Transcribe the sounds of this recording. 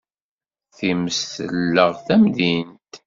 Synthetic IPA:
θiməsθəlːəʁθæmðint̪

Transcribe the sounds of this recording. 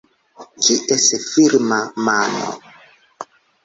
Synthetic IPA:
d͡ʒiʔɛsɛfiɾmamanɔ̰

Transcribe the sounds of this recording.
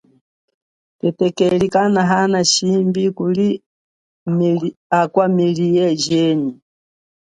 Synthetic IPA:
tɛtɛkɛlikanaɦanaʃimbikuli | makwamiliɛd͡ʒɛni

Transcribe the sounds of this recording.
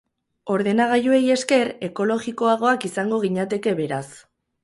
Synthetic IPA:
o̞ɾðe̞naɣ̞ajue̞je̞ske̞ɾe̞ko̞lo̞ɣiko̞aɣ̞o̞akisaŋɡo̞ɣ̞iɲat̪e̞ke̞βe̞ɾas

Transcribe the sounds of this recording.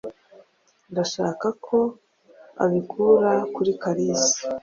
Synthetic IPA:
ndaʃaːkakʰo̞ | a̰βikʰuɾakuɾikaɾisi̥

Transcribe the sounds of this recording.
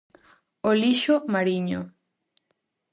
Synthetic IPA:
oliʃomaɾiɲo

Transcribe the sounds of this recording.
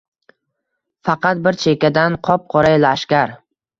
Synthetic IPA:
fɑqɑt̪̚bɪɾt͡ʃʰe̞kʲad̪anqʰɒp̚qʰɒɾajlaːʃkʲaɾ

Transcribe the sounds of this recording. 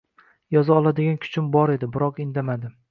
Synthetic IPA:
jɒzaɒlˠad̪ɪɡʲankʲʰʊ̥t͡ʃʰɪmbɒɾe̞d̪ɪbɪɾɒqɪnd̪amad̪ɪ

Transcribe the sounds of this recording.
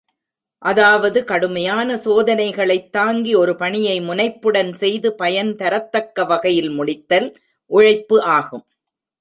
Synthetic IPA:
ʔɐðaːʋɐðɯkɐɽɯmɐjaːnɐsoːðɐnɐɪɣɐɭɐɪt̪ːaːŋɡiɔɾɯpɐɳɪjɐɪmʊnɐɪpːɯɽɐnsɛjðɯpɐjɐnt̪ɐɾɐt̪ːɐkːɐʋɐɣɐjɪlmʊɽɪt̪ːɐl | ʔʊɻɐɪpːɯʔaːɣɯm

